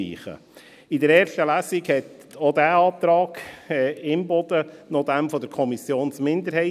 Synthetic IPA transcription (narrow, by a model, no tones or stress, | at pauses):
ḭːχə̰ | ɪdəɾɛːɾʃtəlæːsiɡhɛt | odæːɑːt̪ɾɑːɡɛɪmbɔd̥ənod̪æmfɔd̥əɾkʰɔmisjoːnsmɪnd̪əɾhɛɪ